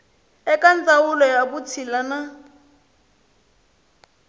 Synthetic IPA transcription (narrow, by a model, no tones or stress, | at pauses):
ɛkant͡sawʊlɔjabʊt͡sʰilana